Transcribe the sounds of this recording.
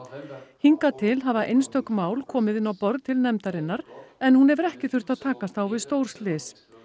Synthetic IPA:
hiŋkat̪ʰɪlɦavaʔejnst̪ʰœkmaːwlkʰɔːmɪðɪnːawpɔɾðt̪ʰɪlnɛmt̪aɾɪnːaɾɛnhunɛvɪɾɛhcɪθʏr̥t̪aðt̪ʰaːkast̪ʰawvɪðst̪owɾ̥st̪lɪːs

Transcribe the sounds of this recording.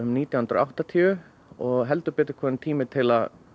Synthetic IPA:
ʏmniːt̪jahʏnɾ̰awht̪at̪ʰiʏ | ɔɣɦɛlt̪ʏpɛːt̪ɪɾ̥kʰvɔːnɪnt̪ʰiːmɪt̪ʰɪlað

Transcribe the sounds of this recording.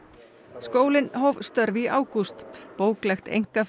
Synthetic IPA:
skoːwlɪnɦovst̪œɾviʔaːwkust̪poːwklajxt̪ḛjŋ̥kaf

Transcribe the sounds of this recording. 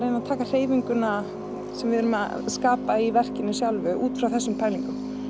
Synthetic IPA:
ɾejnːaðt̪ʰaːkar̥eːjviŋkʏna | sɛmvɪðɛɾʏma̰ | skaːpaivɛr̥cɪnːɪsjawlvʏʔuːt̪fɾawθɛsːʏmpʰajliŋkʏm

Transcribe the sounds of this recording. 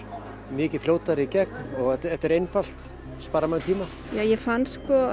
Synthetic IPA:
mɪːcɪ̥fljoːwt̪aɾicɛk̚nɔɣɛt̪ɛt̪ːɛɾejnfal̥t̪ | spaːɾamanɪt̪ʰiːma | jaːjɛfanskɔ

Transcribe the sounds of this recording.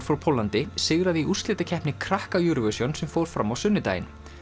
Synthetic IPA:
ɾfawpʰolant̪ɪsɪɣɾaðɪiʔust̪lɪːt̪acʰɛhpnɪkʰɾahkajuɾvœsjonsɛmfoːwɾ̥fɾamːawsʏnːɪt̪a̰jɪ̰n

